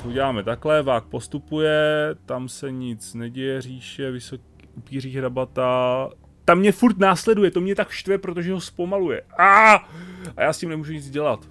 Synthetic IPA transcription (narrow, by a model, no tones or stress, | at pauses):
ɦoɟɛlaːmɛt̪aklɛvaːk̚po̞st̪upujɛt̪amsɛɲɪt͡snɛɟɛjɛriːʃɛvɪsokː | upiːriːxɾabat̪a | t̪amːɲɛfuɾt̪naːslɛdujɛt̪o̞mɲɛt̪akʃt̪vɛpɾot̪o̞ʒɛɦospo̞malujɛa | ajaːscimnɛmuːʒuɲɪt͡sɟɛlat̪